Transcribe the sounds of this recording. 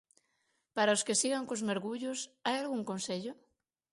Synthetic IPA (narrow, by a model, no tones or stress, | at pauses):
paɾaoskesiɣaŋkozmeɾɣuʎʊsajalɣuŋkõnseʎʊ